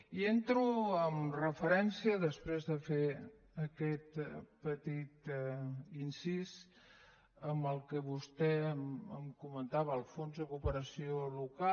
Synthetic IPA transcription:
ient̪ɾuəmrəfəɾɛnsiəðəspɾezðəfe | əkɛt̪pət̪it̪ | insis | əmbəlˠkəβust̪ɛəmkumənt̪aβəːlˠfonzðəkupəɾəsioluka

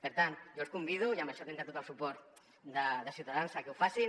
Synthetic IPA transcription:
peɾt̪ant̪ʒoskumbið̞uiamaʃɔt̪ent̪at̪ot̪alsupɔɾt̪ | d̪aðəsiuwt̪aðansakeufasi

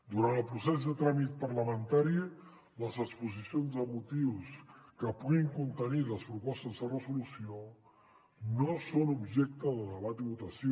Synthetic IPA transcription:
d̪uɾant̪əlˠpɾusɛzðət̪ɾamit̪̚pəɾləmənt̪aɾi | ləzəkspuzisionzəmut̪iwskəpuɣiŋkunt̪əniləspɾupɔst̪əzðərəzulusio | nosonubʒɛk̚t̪əðəðəβ̞at̪iβut̪əsi

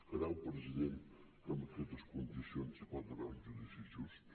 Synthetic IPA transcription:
əɾaupɾəziðen | əməkɛt̪əskund̪isionzikat̪əɾanzunifisjus

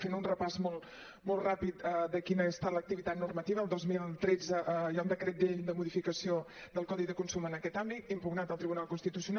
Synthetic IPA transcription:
fenunrəpazmolˠ | mɔlˠrapit̪əd̪əkinəəst̪alək̚t̪iβit̪at̪nurmət̪iβəːlˠd̪ozmilˠt̪ɾed͡zəʔjaund̪əkɾɛt̪̚d̪eʎd̪əmuðifikəsio | d̪əlˠkɔðiðəkunsumənəkɛt̪ambit̪impuɡnat̪əlˠt̪ɾiβunalˠkunst̪it̪usiuna

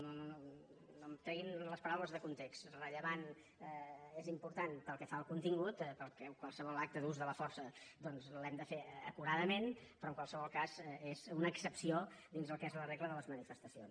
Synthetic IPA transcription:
nonono | nomt̪ɾɛɣinləspəɾawləzðəkunt̪ekst̪rəʎəβan | ezimpuɾt̪anpəlˠkɛfaəlˠkunt̪iŋɡut̪pəlˠkɛkwalˠsəβɔlak̚t̪əðuzðələfɔɾsəd̪ɔnzlɛmd̪əfeəkuɾaðəmenpɾɔəŋkwalˠsəβɔlˠkazɛezunəːksəpsiod̪inzðəlˠkɛzləreɣləðələzmənifəst̪əsio̰ns

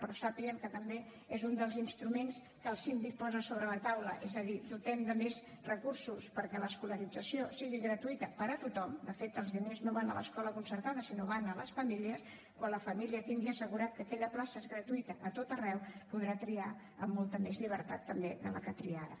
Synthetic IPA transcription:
pɾɔsapiəmkət̪əmbe | ezund̪əlˠzinst̪ɾumens | kəlˠsind̪ik̚pɔzəsoβɾələt̪awləʔezəðiðut̪ɛmd̪əmez | rəkuɾsuspəɾkɛləskuləɾid͡zəsiosiɣiɣɾət̪uit̪əpəɾət̪ut̪ɔmd̪əfet̪əlˠzðineznoβanə̰lə̰skɔləkunsəɾt̪aðəsinoβanələ̰sfəmiliəs | kwanləfəmiliət̪iŋɡiəsəɣuɾat̪̚kəkɛʎəplasəezɣɾət̪uit̪əʔːt̪ot̪ərɛwpuðɾat̪ɾia | əmːolˠt̪əmezʎiβ̞əɾt̪at̪ːəmbeðələkət̪ɾiaɾə

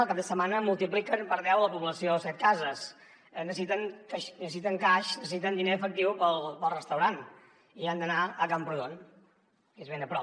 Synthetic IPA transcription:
əlˠkab̚d̪əsəmanəmulˠt̪iplikənpəɾðɛwləpuβləsiosɛt̪̚kazəs | nəs̬it̪əŋkaʃnəssit̪əŋkaʃnəsəsit̪ənd̪ineəfək̚t̪iwpəlˠpəlˠrəst̪əwɾan | iand̪ənaəkampɾuðon | ezβenəpɾɔ

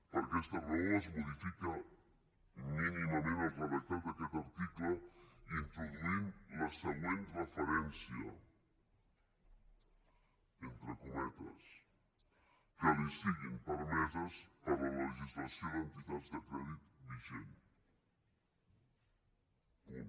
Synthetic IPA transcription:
pəɾkɛst̪ərooəzmuðifikə | miniməmẽnəkləβət̪at̪əkɛt̪aɾt̪ikləint̪ɾuðuinləsəɣwenrəfəɾɛnsiə̰ | ent̪ɾəkumɛt̪ə̰s | kəlisiɣimpəɾmɛzəzəβələləʒizlasjoðənt̪it̪ad̪zd̪əkɾɛðit̪biʒen

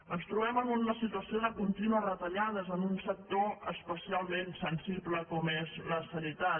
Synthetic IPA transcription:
ənst̪ɾuβɛmənunːəsit̪uəsioðəkunt̪inuərət̪əʎaðəzənunsək̚t̪oəspəsialˠmensənsibləkɔmezləsəɾit̪a

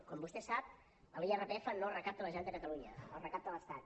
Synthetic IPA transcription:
kɔmbust̪ɛsap̚ | əliɛrepeɛfənolrəkap̚t̪ələʒɛnt̪əkət̪əluɲəəlˠrəkap̚t̪ələst̪at̪

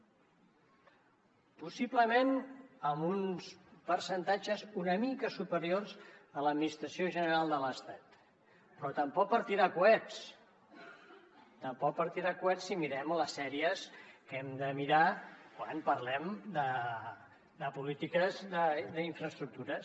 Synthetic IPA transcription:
pusiβləmenəmunspəɾsənt̪ad͡ʒəzunəmikəsupəɾjorzələd̪minist̪ɾəsioʒənəɾalˠd̪ələst̪at̪ | pɾɔt̪əmpɔk̚pəɾt̪iɾakuɛs | t̪əmpɔk̚pəɾt̪iɾakuɛsːimiɾɛmləsːɛɾiəskɛmd̪əmiɾakwanpəɾlɛmd̪ə | d̪əpulit̪ikəzðəðəiɱfɾəst̪ɾuk̚t̪uɾə

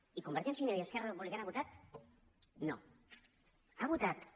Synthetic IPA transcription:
ikumbeɾʒensjineɾieskɛraðp̬uβlikanaβut̪at̪̚ | no̰ | aβut̪at̪

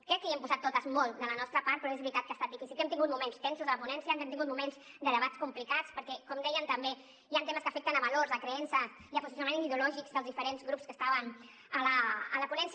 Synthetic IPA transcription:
kɾɛkːəiɛmpuzat̪ːot̪əzmɔlˠt̪d̪ələnɔst̪ɾəpaɾt̪pɾɔezβɾit̪at̪kəast̪at̪ifisilɛmt̪iŋɡut̪̚mumenst̪ɛnsuzələpunɛnsiəɛmɛmt̪iŋɡut̪mumenz | d̪ələβat͡skumplikat͡spəɾkɛkɔmd̪ɛjənt̪əmbe | jant̪eməskəfɛk̚t̪ənəβɐloɾzəkɾəɛnsəs | iəpuzis̬unɐmẽniðulɔʒikzðəlzðifəɾenzɣɾupskəst̪aβən | ələːləpunɛns

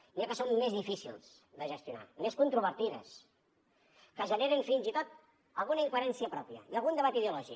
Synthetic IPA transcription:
niakəsomːezðifisḭlˠz̥ | d̪əʒəst̪juna̰meskunt̪ɾuβ̞əɾt̪iðə̰s | kəʒəneɾənfinzit̪ot̪ | əlˠɣunəiŋkweɾɛnsiəpɾɔpiə̰iəlˠɣund̪əβat̪iðeulɔʒi

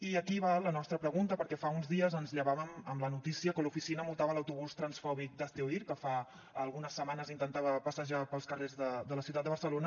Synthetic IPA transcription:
iəkiβalənɔst̪ɾəpɾəɣunt̪əpəɾkɛfaunzðiəzənzʎəβaβəməmlənut̪isiəkəlufisinəmulˠt̪aβələwt̪uβ̞ust̪ɾənsfɔβ̞ik̚d̪əst̪euiɾkəfaː | lˠɣunəsːəmanəzint̪ənt̪aβəpəsəʒapəlˠskərezðəd̪ələsiuwt̪at̪əβəɾsəlonə

